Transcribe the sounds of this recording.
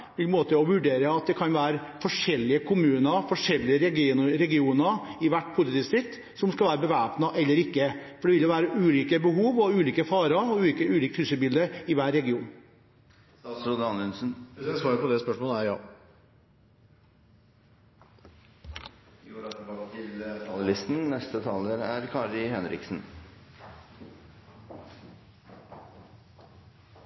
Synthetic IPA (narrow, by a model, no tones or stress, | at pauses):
ʋɪlmoːt̪əɔʋʉɖeːɾəɑt̪̚d̪ɛkʰɑnʋæːɾfɔʂɛlːɪəkʰʊmʉːnəfɔʂɛlːɪəɾɛɾɛɡɪuːnəɪʋæʈːpʰʊsɪt̪ɪːʋsɪt̪ː | sɔmskɑlʋæːɾəbəʋæːpnɑʔɛlːəɾɪkːəfɔɖɛʋɪlj̪ɔʋæːɾəʔʉːliːkəbəɦuːʋɔʉːliːkəfɑːɾɑɔʉːliːkəʉːliːk̚t̪hʉːsəbɪld̪əɪʋæːɾːɛɡɪuːn | st̪ɑːsɾuːd̪əɑnʉnsn̩sʋɑːɾpʰɔd̪ɛspœʂmoːləæɾjɑ̰ː | ɑəlɪst̪nnɛst̪ət̪ʰɑːləɾæɾkʰɑɾɪhɛnɾɪ̰ksn̩